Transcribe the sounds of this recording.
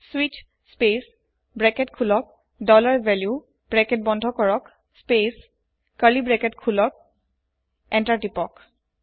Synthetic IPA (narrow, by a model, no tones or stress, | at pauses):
swit͡ʃ | spes | bɹɛkɛtkʰulɔk̚ | dɔlaɹvɛlju | b̥ɹɛkɛt̚bɔndʱɔkɔɹɔk | spes | kalibɹɛkɛtkʰulɔk̚ | ɛntaɹtipɔk